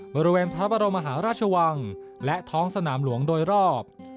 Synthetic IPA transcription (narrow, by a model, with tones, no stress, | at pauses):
bɔː˧ɾi˧weː˧npʰaɾa˦˥p̚a˧ɾo˧mːa˧ɦaː˩˦ɾaː˥˩t͡ɕʰa˧wa˧ŋlɛ˦˥ʔt̪ʰɔː˦˥ŋsa˧naː˩˦mlu˩˦əŋdoː˧jɾɔː˥˩p̚